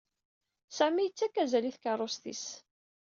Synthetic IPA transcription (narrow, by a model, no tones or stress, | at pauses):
sæmijət͡sːækːæzæliθkɑrˤost̪ḭs